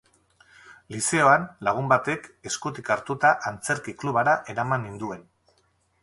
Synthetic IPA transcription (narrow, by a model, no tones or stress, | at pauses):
lise̞o̞anlaɣ̞umbat̪e̞ke̞skut̪ikaɾt̪ut̪aʔant͡se̞ɾkikluβaɾaʔe̞ɾamanind̪ue̞n